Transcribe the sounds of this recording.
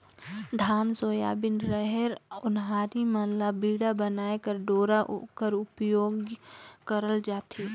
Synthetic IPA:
d̪ʱaːnsoːja̰ːbɪnɾəɦɛɾʊnɦaːɾiməlabiːɽabənaːekəɾɖoːɾaʔo̰kəɾʊpjoːɡkəɾəld͡ʒaːt̪ʰi

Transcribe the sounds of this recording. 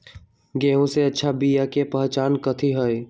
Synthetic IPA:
ɡeːɦõseətːʃʰabijakepəɦt͡ʃaːnkət̪ʰiɦoe

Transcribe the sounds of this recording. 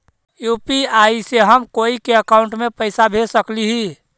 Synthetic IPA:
juːpiaiseɦəmkoːikeəkaʊɳʈmẽpəɪsabʱesəkliɦi

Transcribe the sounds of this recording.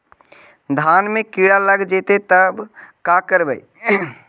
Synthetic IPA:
d̪ʱaːnmẽkiːɽaləɡd͡ʒeːt̪et̪əbkaːkəɾbəi

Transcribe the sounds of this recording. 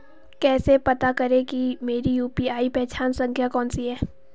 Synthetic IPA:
kɛːsepɐt̪akɐɾẽkimeːɾijuːpiaːipɛːt͡ʃaːnsɐ̃ŋkʰjakɔːnsiɦɛː

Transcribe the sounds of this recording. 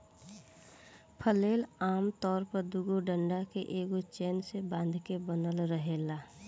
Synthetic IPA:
pʰəleːlaːmt̪ɔːɾpəɾd̪ʊɡoɖə̃ɳɖakeʔeːɡot͡ʃeːnsebãːnd̪ʱkebənəlɾəɦeːlaː

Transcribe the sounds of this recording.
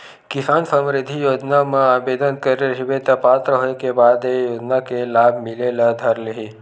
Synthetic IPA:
kɪsaːnsəmɾɪd̪ʱijoːd͡ʒnamẽaːbeːd̪ənkəɾeɦibeːt̪apaːt̪ɾəɦoekebaːd̪ejoːd͡ʒnakelaːbʱmɪlelad̪ʱɐɾleɦi

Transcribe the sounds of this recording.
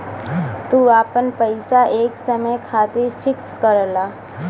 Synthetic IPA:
t̪uːaːpənpəɪsaʔeːksəməjkʰaːt̪efʰɪkskəɾlaː

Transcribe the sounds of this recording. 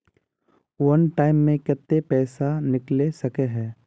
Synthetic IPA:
wənʈaːɪmːẽkɪt̪ːepɛːsanɪklesɐkeɦɛː

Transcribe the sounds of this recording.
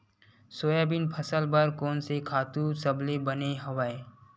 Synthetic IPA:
soːjabɪnpʰɐsəlbəɾkɔːnsekʰaːt̪usəblebɐneɦɐʋaːe

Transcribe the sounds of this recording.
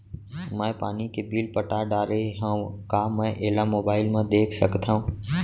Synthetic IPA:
mə̃pa̰ːnikeːbiːlpəʈaɖaːɾeɦə̃ũkaːmə̃ʔeːlaːmoːbaːɪlmãd̪eːkʰsəkt̪ʰãũː

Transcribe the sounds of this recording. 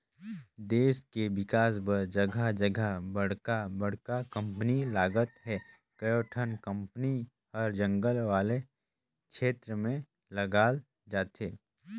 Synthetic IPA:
d̪eːskewɪkaːsbəɾd͡ʒɐɡʱad͡ʒəɡʱabɐɽ̤kabɐɽ̤kakə̃mpnilaːɡət̪ɦɛ | kɐjoːʈʰənkə̃mpni | həɾd͡ʒə̃ŋɡəlʋaːle | kʃeːt̪ɾəmẽ | lɐɡaːl | d͡ʒaːt̪eː

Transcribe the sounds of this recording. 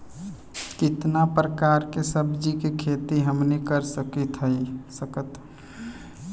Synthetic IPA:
kɪt̪napɾəkaːɾkesəbd͡ʒikekʰeːt̪iɦəmnekəɾsəkit̪ʰɦəisəkət̪

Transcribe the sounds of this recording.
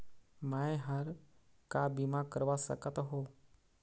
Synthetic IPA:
məẽɦəɾ | kabimakəɾʋasə̰kət̪ɦoː

